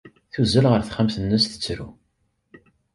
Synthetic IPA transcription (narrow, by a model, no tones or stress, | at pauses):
θuzːəlʁəɾθχəmθənːəsθə̥t͡sːɾu